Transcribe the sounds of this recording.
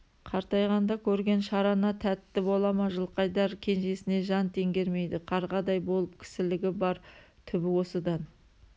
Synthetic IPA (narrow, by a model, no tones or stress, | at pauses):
qʰɑɾt̪ɑjʁɑnd̪ɑkʲʰɵɾɡʲe̞nʃɑɾɑnɑt̪ʰæt̪ːɪbo̞lˠɑmɑʒəlˠqɑjd̪ɑɾkʲʰe̞nʒe̞sɪne̞ʒɑnt̪ʰe̞ŋɡʲe̞ɾme̞jd̪ɪqʰɑɾʁɑd̪ɑjbo̞lˠəp̚kʲʰɪ̥sɪlɪɡʲɪbɑɾ | t̪ʰʏbɪwo̞səd̪ɑn